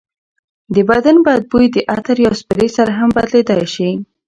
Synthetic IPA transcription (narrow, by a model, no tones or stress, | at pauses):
d̪əbad̪anbɑjad̪̚bujd̪əʔat̪aɾjɑspəɾesaɾaɦambad̪led̪ajʃi